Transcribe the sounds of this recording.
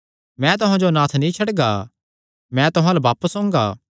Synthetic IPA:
mɛ̃t̪̬ʊɦãd͡ʒonãːt̪ʰnĩt͡ʃʰɐɽɡaː | mɛ̃t̪ʊɦãlabaːpəsõːŋɡaː

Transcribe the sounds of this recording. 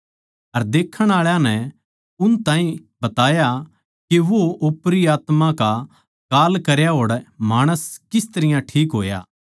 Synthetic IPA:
ɐɾd̪eːkʰəɽ̃aːɭjãnɛ | ʊnt̪ãːɦĩ | bɐt̪aːja | keʋoʔʊpɾiaːt̪mãka | kaːlkɐɾjaɦoːɽmaːɽ̃əskɪst̪ɐɾɪjãʈʰiːkɦoːja̰ː

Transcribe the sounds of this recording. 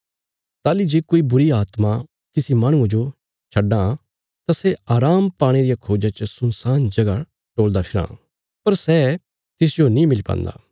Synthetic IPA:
t̪aːlid͡ʒeːkoːibʊɾiaːt̪ma | kɪsimaːɽ̃ʊ̃ãd͡ʒo | t͡ʃʰɐɖːã | t̪aseaːɾaːmpaːɽ̃eɾijakʰoːd͡ʒat͡ʃəsʊ̃nsaːnd͡ʒɐɡa | ʈoːld̪apʰɪɾã̰ː | pɐɾsɛ | t̪ɪs̬d͡ʒonĩmɪlipã̰ːnd̪a̰ː

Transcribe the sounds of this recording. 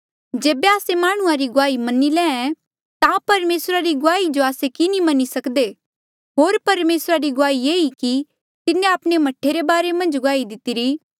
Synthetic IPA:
d͡ʒeːbeaːsemaːɽ̃ʊ̃ãɾiɡʊaːimɐnilɛ̃ːɛ | t̪ãpɐɾmeːsɾaɾiɡʊaːid͡ʒoaːsekinimɐnisɐkd̪e | ɦoːɾpɐɾmeːsɾaɾiɡʊaːieːiki | t̪ɪnːẽapɽ̃emɐʈʰːeɾebaːɾemɐ̃nd͡ʒɡʊaːid̪ɪt̪iɾiː

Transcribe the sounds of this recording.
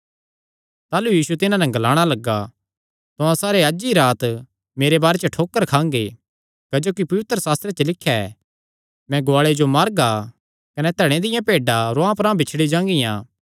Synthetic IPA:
t̪aːlujiːsut̪ɪnãnɛ̃ɡɐlaːɽ̃alɐɡa | t̪oãsaːɾeɐd͡ʒiɾaːt̪ | meːɾebaːɾet͡ʃʈʰoːkːəɾkʰãːŋɡe | kɐd͡ʒoːkipɐʋɪt̪ɾəsaːst̪ɾet͡ʃəlɪkʰːjaɛ | mɛ̃ɡoʊaːɭed͡ʒomaːɾɡa | kɐnɛt̪ɛːɽ̃ẽd̪ɪjãpeːɖaɾoãpɾãbɪt͡ʃʰɽid͡ʒãːŋɡɪjã̰ː

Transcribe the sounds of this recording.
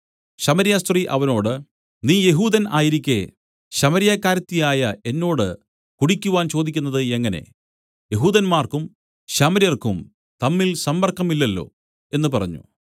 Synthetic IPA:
ɕɐmɐɾijaːst̪riʔɐ̰ʋɐno̞ːɽɨ | niːje̞ɦuːðɐna̰ːjiɾikʲːe | ɕɐmɐɾijakːaːɾɐt̪ːijaːjɐe̞nːo̞ːɽɨ | kuɽikʲːuʋaːnt͡ɕo̞ːd̪ikʲːunːɐðɨe̞ŋːɐne̞̰ | je̞ɦuːðɐnmaːrkum | ɕɐmɐɾijɐrkum | t̪ɐmːilsɐmːɐrkːɐmilːɐlːo̞̰ː | e̞nːɨpɐrɐ̰ɲːṵ

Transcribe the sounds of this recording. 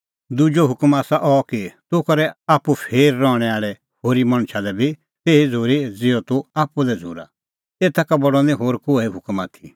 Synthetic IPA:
d̪ud͡ʒɔɦʊkmaːsaʔɔkit̪ʊkɐɾɛaːpupʰeːɾːɔɽ̃ɛaːɭɛ | hoːɾimɐ̃ɽ̃ʃʰalɛbʱi | t̪eːid͡zʱoːɾid͡zɪːɔt̪uaːpulɛd͡zʱo̰ːɾa̰ | t̪eːt̪ʰakabɔɽɔnĩɦoːɾkoːɛiɦʊkmaːt̪ʰi

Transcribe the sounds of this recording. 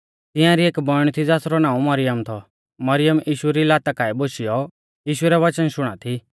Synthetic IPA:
t̪ɪ̃jãɾieːkbɔɽ̃t̪ʰid͡zaːsɾɔnãːũmɐɾɪjəmt̪ʰɔ | mɐɾɪjəmʔiːʃuɾilaːt̪akaːɛboʃijɔ | jiːʃʊɛɾɛʋɐt͡ʃənʃʊɽ̃a̰t̪ʰi

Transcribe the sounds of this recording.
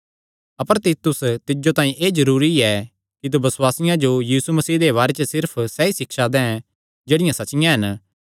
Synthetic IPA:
ɐpəɾt̪it̪ʊst̪ɪd͡ʒot̪aːĩʔeːzɐɾuːɾiɛ | kit̪̬ubɐswaːsɪjãd͡ʒojiːsumɐsiːd̪eβaːɾɛt͡ʃəsɪɾpʰsɛːisɪkʃad̪ɛ̃ɦɛ̃ | d͡ʒeːɽɪjãsɐt͡ʃɪjãɦɐn

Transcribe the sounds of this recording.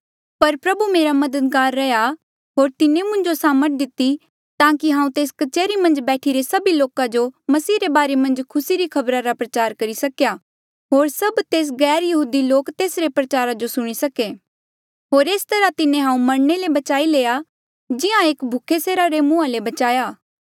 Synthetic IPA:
pɐɾpɾɐbumeːɾamɐd̪əd̪̚ɡaːɾːɛja | ɦoːɾt̪ɪnẽmʊ̃ɲd͡ʒosaːməʈ̚d̪ɪt̪ːi | t̪ãːkiɦãːũt̪eːskɐt͡ʃeːɾimɐ̃nd͡ʒbɛːʈʰiɾesɐbiloːkãd͡ʒomɐsiːɾebaːɾemɐ̃nd͡ʒkʰʊsiɾikʰɐbɾaɾapɾɐt͡ʃaːɾkɐɾisɐkja | ɦoːɾsɐbt̪eːs̬ɡɛːɾjɐɦuːd̪iloːkt̪eːsɾepɾɐt͡ʃaːɾad͡ʒosʊɽ̃isɐke | ɦoːɾeːst̪ɐɾat̪ɪnẽɦãːũmɐɽɳelebɐt͡ʃaːileːa | d͡ʒɪãeːkbʱʊkʰeseːɾaɾemʊ̃ãlebɐt͡ʃaːjaː

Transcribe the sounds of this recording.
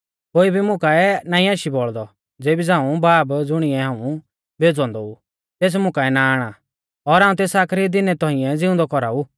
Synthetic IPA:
koːibʱimʊ̃kaɛnaːĩaːʃibɔɭd̪ɔ | d͡zeːbid͡zãːũbaːbd͡zʊɽ̃ɪɛɦãːũ | beːd͡zɔ̃ːnd̪ɔu | t̪eːs̬mʊ̃kaɛnaaːɽ̃a | ɔɾaːũt̪eːsaːkʰɾid̪ɪnɛt̪ɔ̃ɦĩɛ̃d͡zɪ̃ʊ̃nd̪ɔkɔɾa̰u

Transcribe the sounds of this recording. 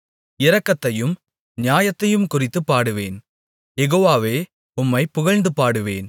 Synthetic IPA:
ɪɾɐkːɐt̪ːɐjɯm | nɪjaːjɐt̪ːɐjɯmkʊrɪt̪ːɯpːaːɽɯʋḛːn | jɛɣoːʋaːʋeː | ʊmːɐɪpːʊɣɐɻnd̪ɯpːaːɽɯʋḛːn

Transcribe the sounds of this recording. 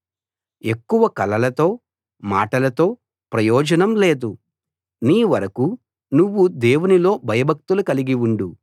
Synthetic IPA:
e̞kːuʋɐkɐlɐlɐt̪o̞ː | ma̰ːʈɐlɐt̪o̞ː | pɾɐjɔːd͡ʒɐnɐmleːd̪u | niːʋɐɾɐku | nuʋːud̪eːwunilo̞ːbʱɐjɐbʱɐk̚t̪ulukɐliɡiuɳɖu

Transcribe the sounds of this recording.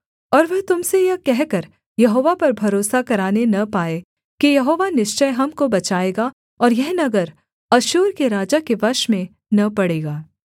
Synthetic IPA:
ɔːɾʋɐɦt̪ʊmsejɐkɛɦkɐɾ | jɐɦoːʋapɐɾbʱɐɾoːsakɐɾaːnenɐpaːe | kijɐɦoːʋanɪʃt͡ʃəjɦɐmkobɐt͡ʃaːeːɡa | ɔːɾjɛɦnɐɡəɾ | ɐʃuːɾkeɾaːd͡ʒakeʋɐɾʃmẽ | nɐpɐɽeːɡaː

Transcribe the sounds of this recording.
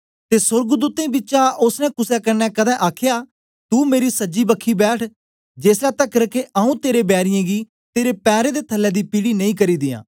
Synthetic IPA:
t̪eːsʊɾɡd̪uːt̪ẽːbɪt͡ʃãːʊsnɛ̃ːkʊsɛːkəɾnɛ̃ːkəd̪ɛ̃ːʔaːkʰjaː | t̪uːmeːɾiːsəd͡ʒiːbəkʰːiːbɛːʈʰ | d͡ʒeːslɛːt̪əkɾəkeʔaːũːt̪eːɾeːbɛːɾɪjãːɡiː | t̪eːɾeːpɛːɾẽːd̪eːt̪ʰəlːɛːd̪iːpiːɽiːnəĩːkəɾiːd̪ɪjã̰ː

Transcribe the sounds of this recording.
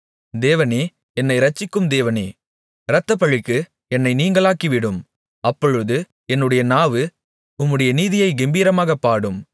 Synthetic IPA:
d̪eːʋɐneː | ɛnːɐɪɾɐt͡ʃːɪkːɯmd̪eːʋɐneː | ɪɾɐt̪ːɐpɐɻɪkːɯ | ɛnːɐɪniːŋɡɐɭaːkiʋɪɽɯm | ɐpːɔɻɯðɯ | ɛnːɯɽɐjɐnaːʋɯ | ʊmːɯɽɐjɐniːðɪjɐɪɡɛmbiːɾɐmaːɣɐpːaːɽɯm

